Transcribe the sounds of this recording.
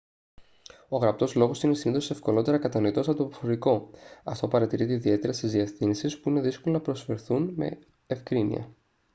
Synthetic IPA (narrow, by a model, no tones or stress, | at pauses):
o̞ɣɾɐp̚t̪o̞zlo̞ɣo̞sine̞siniθose̞fkolo̞t̪e̞ɾɐkɐt̪ɐno̞it̪o̞sɐt̪opofoɾiko̞ɐft̪o̞pɐɾɐt̪iɾit̪eiðie̞t̪e̞ɾɐst̪izðieθinisispuine̞ðiskolonɐpɾo̞sfe̞ɾθunme̞̰ | efkɾinḭɐ̰